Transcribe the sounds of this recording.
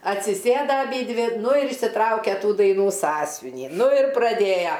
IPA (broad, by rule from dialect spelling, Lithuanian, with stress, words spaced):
ɐtʲsʲɪˈsʲeːdɐ ɐˈbʲiːdʲʋʲɪ ˈnʊ ɪr ɪʃʲsʲɪˈtrɐʊkʲɛ ˈtuː dɐɪˈnuː ˈsɑːsʲʋʲɪnʲiː ˈnʊ ɪr prɐˈdʲeːjɛ